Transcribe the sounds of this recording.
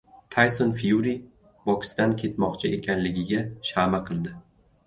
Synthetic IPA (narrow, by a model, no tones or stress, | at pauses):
t̪ʰajsonfijuɾi | bɒkʲɪ̥st̪ankʲʰe̞t̪mɒqt͡ʃʰɪe̞kʲʰanlɪɡʲɪɡʲaʃamaqʰɨlˠd̪ɪ